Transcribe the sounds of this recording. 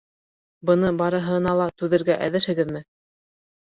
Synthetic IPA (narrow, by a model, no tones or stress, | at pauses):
bɤ̆nɤbɑɾɤ̆ɦɤ̆nɑlˠɑt̪ʉðɘ̆ɾɡæʔæ̰ðɘ̆ɾhɘ̆ɡɘðmɘ